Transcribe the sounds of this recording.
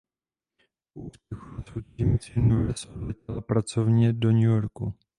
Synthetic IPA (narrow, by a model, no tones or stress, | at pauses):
puʔuspɛxusowcimit͡sɛnuvɛsodlɛcɛlapɾat͡sovɲɛdoɲujo̞ɾku